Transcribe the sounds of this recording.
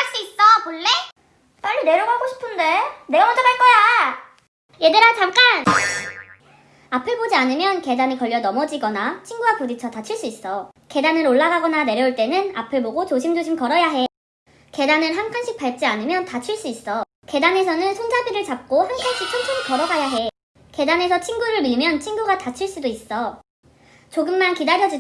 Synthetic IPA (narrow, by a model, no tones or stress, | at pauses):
ɭs͈uis͈ʌmoɭːe | p͈aʎːine̞ɾʌɡaɡoɕʰi̥pʰɯndene̞ɡʌmʌtʰʌɡaɭk͈ʌja | jedɯɾant͡ɕamk͈an | apʰɯbod͡ʑianɯmjʌnke̞danikʌʎːʌnʌmʌd͡ʑiɡʌnat͡ɕʰiŋɡuwakodit͡ɕʰʌtat͡ɕʰiɭs͈uis͈ʌke̞danɯɾoɭːaɣaɡʌnane̞ɾjʌuɭt͈e̞nɯnapʰeboɡot͡ɕoɕʰimd͡ʑoɕʰimkʌɾʌjaɦe̞ | ke̞danɯnɦankʰanɕʰik̚p͈aɭt͡ɕ͈ianɯmjʌntat͡ɕʰiɭs͈uis͈ʌ | ke̞danesʰʌnɯnsʰond͡ʑʰabiɾɯɭt͡ɕap̚k͈ohankʰanɕʰik̚t͡ɕʰʌnt͡ɕʰʌɾikʌɾʌɡajaɦe̞ | ke̞dane̞sʰʌt͡ɕʰiŋɡuɾɯɭmiɭmjʌnt͡ɕʰiŋɡuɡatat͡ɕʰiɭs͈udois͈ʌ | t͡ɕoɡɯmmankidaɾjʌd͡ʑi